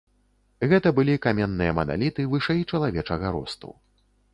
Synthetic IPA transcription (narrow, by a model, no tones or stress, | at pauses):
ɣɛt̪ɐbɨlʲikamʲɛnːɨjɐmɐna̰lʲit̪ɨvɨʂɛjt͡ʂɐlˠavʲɛt͡ʂɐɣɐɾɔ̰st̪ṵ